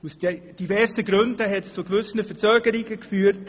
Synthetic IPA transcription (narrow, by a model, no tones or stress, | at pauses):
usd̥d̥ivɛɾsəɡɾʏndəɦɛtst͡suɡvʏsənəfəɾt͡søːɡəɾiɡəkfyːəɾt